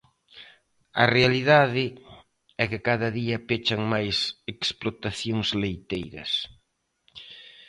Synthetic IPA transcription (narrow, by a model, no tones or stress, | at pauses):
ɐ̰realiðaðɪ | ɛkɪkaðɐðiɐpet͡ʃɐŋmajseksplot̪aθjoŋzlejt̪ejɾɐ̰s